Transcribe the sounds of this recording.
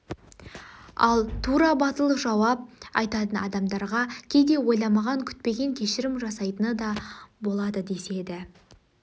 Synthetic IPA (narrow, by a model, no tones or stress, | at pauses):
ɑ̰lˠt̪ʰuɾɑbɑt̪əlˠəʒɑwɑp̚ɑ̰jt̪ɑt̪ənɑ̰d̪ɑmd̪ɑɾʁɑkʲʰe̞jd̪e̞wo̞jlˠɑmɑʁɑŋkʲʰʏ̥t̪̚pe̞ɡʲe̞ŋkʲʰe̞ʃɪɾɪmʒɑsɑjt̪ənəd̪ɑbo̞lˠɑd̪əd̪e̞se̞d̪ɪ